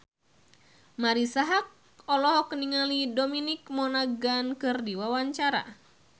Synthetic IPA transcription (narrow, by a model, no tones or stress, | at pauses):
maɾisaɦak̚ | ɔlɔɦɔkəniŋalidominik̚mɔnaɡankɨrdiwawaɲt͡ʃaɾa̰